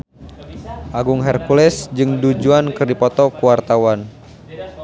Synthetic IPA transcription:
ʔaɡuŋɦɛrkulɛsd͡ʒɨŋdud͡ʒuankɨrdipɔt̪ɔkuwart̪awan

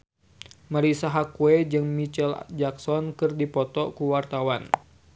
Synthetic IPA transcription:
maɾisaɦakuɛd͡ʒɨŋmit͡ʃɛld͡ʒaksɔnkɨrdipɔt̪ɔkuwart̪awan

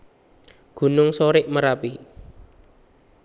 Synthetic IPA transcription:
ɡ̥ṳnʊŋsoɾɪʔməɾapi

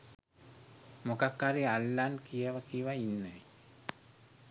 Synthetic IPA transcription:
mokakːaɾialːankiaʋakiwainːaj

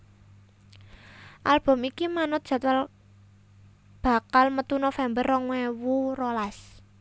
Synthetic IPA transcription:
ʔalb̥ɔ̤mikimanʊt̪̚dʒ̥a̤t̪wal | b̥a̤kalmət̪unofɛmbərːɔŋwɛwurolas

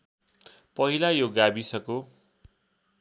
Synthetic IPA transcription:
pʌɦilajoɡabisʌko

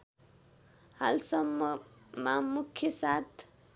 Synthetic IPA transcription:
halsʌmːʌmamukʰːjʌsat̪ʰ

